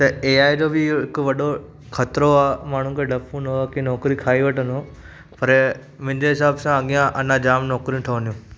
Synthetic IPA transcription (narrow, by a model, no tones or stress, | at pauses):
t̪ɐeːaːed͡ʑobɪɦɪkʊʋɐɗo | kʰɐt̪ɾoaːmaːɳ̤ũkʰeɖʱɐpũnoakinɔːkɾikʰaːiʋɐʈənoː | pɐɾ | mʊ̃ɦɪ̃ɲd͡ʑeɦɪsaːbsãɐɠijãʔɐnãd͡ʑaːmnɔːkɾijũʈ̪ʰɐʋənijũ